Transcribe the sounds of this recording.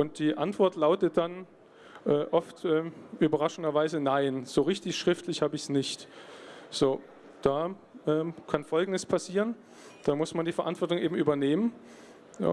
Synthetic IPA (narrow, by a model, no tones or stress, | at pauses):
ʔʊnt̚d̥iːʔantv̥ɔɐtlaʊtət̚d̥an | ʔɛːʔɔftʔɛːʔyːbɐʁ̞aʃn̩dɐvaɪzənaɪnz̥oːʁɪçtɪçʃʁ̥ɪftʰlɪçhaːbəɪçsnɪçt | z̥oː | d̥aː | ʔɛːmkʰanfɔlɡŋ̩dəspʰasiːʁən | d̥aːmʊsmandiːfɛɐʔa̰ntv̥ɔɐtʊŋʔeːbm̩ʔyːbɐneːmən̰ː